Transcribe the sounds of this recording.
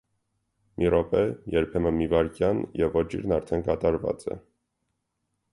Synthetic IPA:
mʔiɾɔpɛjɛɾpʰɛmənmivɑɾkjɑnjɛvːɔt͡ʃʰḭɾnɑɾt̪ʰɛnkɑt̪ɑɾvɑ̰t͡sɛ̰

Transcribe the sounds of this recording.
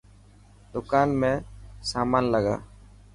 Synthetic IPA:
d̪ʊkaːnmẽːsaːmaːnləɡa̰ː

